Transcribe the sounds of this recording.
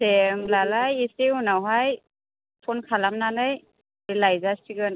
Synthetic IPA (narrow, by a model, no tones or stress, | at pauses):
sʰemlalajiseunawɦaj | pʰɔnkʰalamnanɯj | ɾilajzastʰiɡɯn